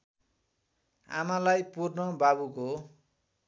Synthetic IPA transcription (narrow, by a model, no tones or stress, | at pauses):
a̰malajpurnʌbabuko